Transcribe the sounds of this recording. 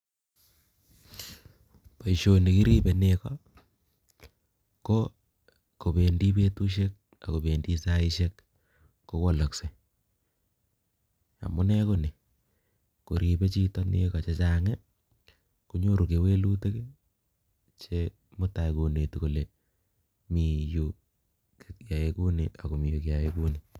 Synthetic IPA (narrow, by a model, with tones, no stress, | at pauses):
pa˨i˨ʃo˨ni˨ki˦ɾi˦be˨nekɔ | ko˦ | ko˨be˨ndi˦pe˦tu˦ʃ̬e˦k̚ | a̰˨ko˨be˨ndi˦sa˦i˦ʃe˦kː | o˦ko˦la˨kse˨ | a̰˨mʊ˦nɛ˦ko˦ni˨ | ko˨ɾi˨pe˦t͡ʃi˦tɔ˦nḛ˦ka˨t͡ʃe˦t͡ʃa˨ŋe˦ | ku˦ɲo˦ɾu˨ke˨we˦lu˦te˦k | t͡ʃe˦ | mʊ˦ta˨iko˨ne˨ti˨ko˨le˨ | mi˨ju˨ | ja˨je˦ku˦ni˨ʔa˨ko˨mi˨ju˨kja˨jeku˦ni˨